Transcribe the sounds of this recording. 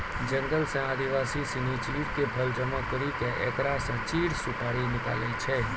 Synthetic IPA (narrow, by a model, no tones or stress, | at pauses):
d͡ʒəŋɡəlsɛ̃ad̪iʋasisinit͡ʃiɽkebʱəld͡ʒəmãkəɾikẽʔɛ̰kɾasɛ̃t͡ʃiɽsukaɽinɪka̰leit͡ʃʰe